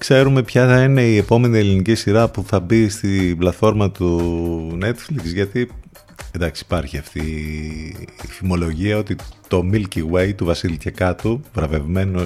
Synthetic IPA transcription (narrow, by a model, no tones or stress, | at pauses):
kse̞ɾume̞pçɐθɐine̞ie̞po̞me̞nie̞linicisiɾɐpuθɐbist̪iblɐt̪fo̞ɾmɐt̪une̞t̪fliksʝɐt̪i | end̪ɐksi̥pɐɾçiɐft̪i | θimo̞lo̞ʝiɐo̞t̪it̪o̞milciwe̞jt̪uvɐsilc̪ekɐt̪uvɾɐve̞vme̞no